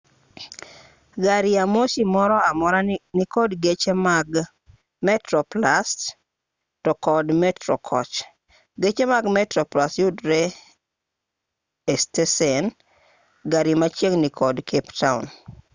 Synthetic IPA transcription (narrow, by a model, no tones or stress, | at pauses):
ɡaɾɪamoʃimɔɾɔamɔɾanɪkɔdɡet͡ʃemaɡ | mɛtɾɔplast | tɔkɔdmɛtɾɔkʰɔ̰t͡ʃ | ɡet͡ʃemaɡmɛtɾɔplastjudɾe | stesɛn | ɡaɾimat͡ʃjeŋnɪkʰɔdkʰeptaʊ̰n